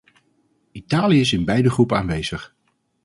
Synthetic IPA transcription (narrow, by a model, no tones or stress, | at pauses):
itaːlijəɪsɪnbɛjdəχrupəaːnʋejz̥əχ